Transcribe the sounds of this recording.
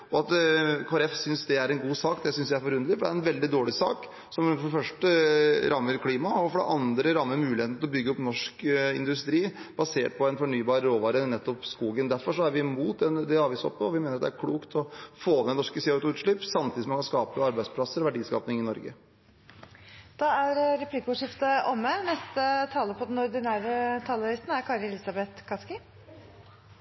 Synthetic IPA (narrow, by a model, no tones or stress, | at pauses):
ɔɑt̪kʰoːɛɾɛfsʏnsd̪ɛæɾɛnɡuːsɑːkd̪ɛsʏnsjææɾfɔɾʉnd̪əlɪfɔɖɛæɾɛnʋɛld̪ɪd̪oːɭɪsɑ̰ːk | sɔmfɔɖɛfœʂʈəɾʔɑmːəɾkʰliːmɑɔfɔɖɛ̰ʔɑnd̪ɾəɾɑmːəmʉːlɪheːt̪nʰɪlɔbʏɡːəɔpnɔʂkɪ̰nd̪ʉst̪ɾiːb̥ɑseːʈ̚pʰɔɛnfɔɳyːbɑːɾɾoːʋɑːɾənɛt̪ːɔpskuːɡənd̪æɾfɔʂɔæɾʋɪmuːt̪̚d̪ɛnd̪ɛɑːʋiːsɔ̰pːəɔʋɪmeːnəɾɑt̪d̪ɛæɾkʰluːkt̪ʰɔfoːnɛnɔʂkəsɛʉt̪ʊʉːt̪ʂɭʏpːsɑmt̪iːd̪sɔmɑnkʰɑnskɑːpəɑɾbæɪspʰlɑsəɾɔʋæɖiːskɑ̰ːpnɪŋɪnɔɾɡə̰ | d̪̥ɑːæɾɾɛpʰliːkʊːʂɪft̪əʔɔmːənɛst̪ət̪ʰɑːləpʰɔd̪ɛnɔɾd̪ɪnæːɾət̪ʰɑːləɾɪst̪n̩æɾkʰɑɾɛlɪsɑbɛt̪kʰɑskɪ